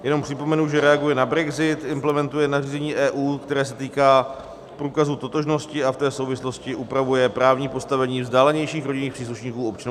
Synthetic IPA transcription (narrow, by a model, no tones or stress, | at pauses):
jɛno̞mpr̝̥ɪpo̞mɛnuʒɛɾɛaɡujɛnabɾɛɡzɪt̪ɪmplɛmɛnt̪ujɛnariːzɛɲiːʔɛːʔuːkt̪ɛɾɛːs̬ɛt̪iːkaː | pɾuːkazut̪o̞t̪o̞ʒno̞scɪaft̪ɛːsowvɪslo̞scɪʔupɾavujɛpɾaːvɲiːpo̞st̪avɛɲiːvzdaːlɛɲɛjʃiːxɾoɟɪɲniːxpr̥iːsluʃɲiːkuːo̞pt͡ʃan